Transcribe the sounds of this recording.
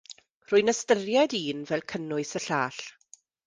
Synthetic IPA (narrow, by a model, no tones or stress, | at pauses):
r̥ʊɨnəstərjɛdiːnvɛlˠkʰənʊɨsəɬaːɬ